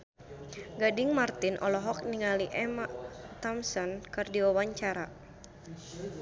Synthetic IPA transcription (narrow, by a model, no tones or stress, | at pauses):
ɡadɪŋmart̪inʔɔ̰lɔɦɔk̚niŋaliʔɛmat̪ɔmsɔnkɨrdiwawaɲt͡ʃaɾa